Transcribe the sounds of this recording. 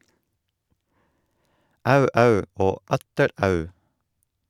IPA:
ˈɑʉ ˈɑʉ ˈoː ˈɑtəɾ ˈɑʉ

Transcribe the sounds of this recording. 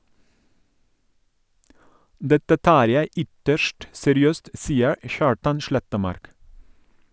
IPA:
ˈdɛtə ˈtɑːɾ ˈjæɪ ˈʏtəʃʈ sɛɾɪˈøːst ˈsiːəɹ ə ˈçɑːɹtɑn ˈʃɭɛtəˌmɑɾk

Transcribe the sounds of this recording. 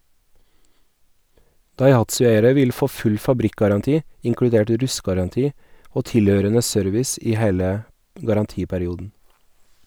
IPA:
dɑɪˈhɑtsʉˌeɪəɾə ˈʋɪl ˈfoː ˈfʉl fɑˈbɾɪkɡɑɾɑnˌtiː ɪŋkɽʉˈdeːʈ ˈɾʉstɡɑɾɑnˌtiː ˈoː ˈtɪˌløːɾənə ˈsœɾʋɪs ˈiː ˈheːlə ɡɑɾɑnˈtiːpæɾɪˌuːdn̩

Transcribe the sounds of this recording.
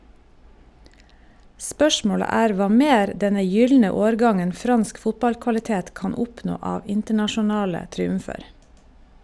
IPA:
ˈspœʃmoːɽə ˈæːɾ ˈʋɑː ˈmeːɾ ˈdɛnə ˈjʏlnə ˈoːɾˌɡɑŋən ˈfɾɑnsk ˈfʊtbɑlkʋɑlɪˌteːt ˈkɑn ˈɔpnoː ˈɑːʋ ˈɪntəɳɑʃʊˌnɑːlə tɾiːʉmˈfeːɾ

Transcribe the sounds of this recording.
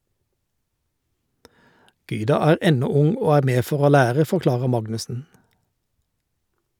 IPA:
ˈɡyːdɑ ˈæːʁ ˈʔɛnɔ ˈʊŋ ˈoː ˈæːʁ ˈmeː ˈfɔʁ ˈoː ˈlæːʁə fɔʁˈklɑːʁə ˈmɑɡnʉsn̩

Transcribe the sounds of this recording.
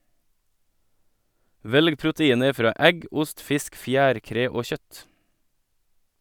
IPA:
ˈʋɛlɡ pɾʊtəˈiːnə ˈfɾɑː ˈʔɛɡ ˈʊst ˈfɪsk ˈfjæːɾˌkɾeː ˈoː ˈçœt

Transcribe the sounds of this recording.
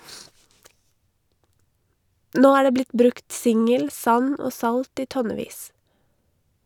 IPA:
ˈnoː ˈæː ˈɖeː ˈblɪt ˈbɾʉkt ˈsɪŋəl ˈsɑn ˈoː ˈsɑlt ˈiː ˈtɔnɛˌʋiːs

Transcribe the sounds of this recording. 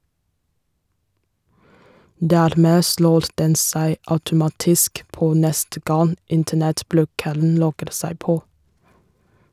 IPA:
ˈdæːɾˌmeː ˈsloːɾ ˈdɛn ˈsæɪ ɑʉtʊˈmɑːtɪsk ˈpoː ˈnɛstə ˈɡɑn ˈɪntənɛtˌblʉːkəln̩ ˈlɔɡəɾ ˈsæɪ ˈpoː

